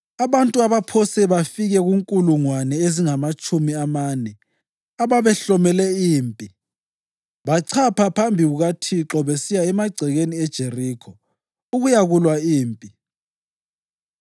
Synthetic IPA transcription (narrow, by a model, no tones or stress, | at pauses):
aβantʼuaβapʰɔsɛβafiɣɛɣuŋkʼuluŋwanɛeziŋamat͡ʃʼumiamaːnɛ | aβaβɛɬɔmɛlɛiːmpʼi | βaǀʰapʰapʰambʱiuɣatʰiǁɔβɛsijaɛmaɡ͡ǀʱɛɣeniɛd̥ʒ̥ʱeriːkʰɔ | uɣujaɣulwaiːmpʼi